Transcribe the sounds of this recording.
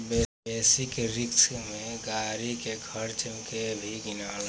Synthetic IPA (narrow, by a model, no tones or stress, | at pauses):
be | eːsikɾiksmẽɡaːɾikeɡʱəɾt͡ʃimkebʱiɡinaːl